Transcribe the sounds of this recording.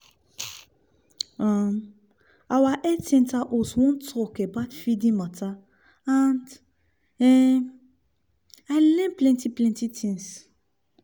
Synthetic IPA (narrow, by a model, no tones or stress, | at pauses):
ãm | awaʔɛtɛ̃ntaʔoswɔ̃ntɔkɛbatfidĩmata | ãnd | ɛ | ajlɛ̃nplɛ̃ntiplɛ̃ntitʰĩŋs